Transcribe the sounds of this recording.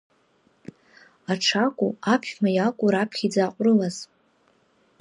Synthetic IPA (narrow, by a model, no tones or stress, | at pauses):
aʈ͡ʂʰakʷʼuapʰχmajakʷʼuɾapʰχʲid͡zaqʷʼrɨlaz̥